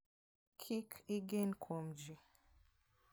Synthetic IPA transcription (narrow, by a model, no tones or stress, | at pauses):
kʰikiɡenkʰomd͡ʒi